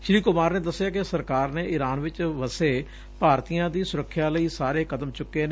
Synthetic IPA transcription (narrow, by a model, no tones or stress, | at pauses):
ʃɪɾiːkʊmaːɾneːd̪əsːɪjaːkɪsəɾkaːɾneːʔɪɾaːnʋɪt͡ʃʋəseː | paːɾt̪iːãːd̪iːsʊɾəkʰːjaːləiːsaːɾeːkʰət̪əmt͡ʃʊkːeːnː